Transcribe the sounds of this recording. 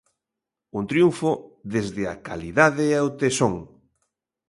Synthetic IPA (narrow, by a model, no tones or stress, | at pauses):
unt̪ɾijuɱfoðezðɪa̰ka̰liðaðeawt̪esoŋ